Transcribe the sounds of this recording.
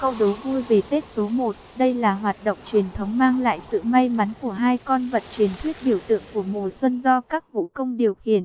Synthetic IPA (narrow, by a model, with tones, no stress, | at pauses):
kə˧wɗo˨˦vu˧jve˨˩t̪e˦˥t̚so˨˦mo˨˩t̚ɗə˧jlaː˨˩ɦwaː˨˩t̚ɗo̰˧˨wŋ͡mt͡ɕwi˨˩ənt̪ʰə˨˦wŋ͡mmaː˧ŋla̰ː˧˨jsɨ̰˧˨ma˧jma˨˦nku˧˩əɦaː˧jkɔ˧nvə˨˩t̚t͡ɕwi˨˩ənt̪ʰwi˦˥ət̚ɓi˧˩əwt̪ɨ̰˧˨əŋku˧˩əmu˨˩əswə˧nzɔ˧kaː˦˥k̚vṵ˧˨kə˧wŋ͡mɗi˨˩əwxḭ˧˨ən